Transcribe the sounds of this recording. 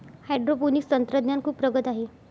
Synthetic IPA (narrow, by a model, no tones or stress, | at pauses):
hajɖɾopuniːkst̪ənt̪ɾəd̪njankʰuːpːɾəɡət̪aɦe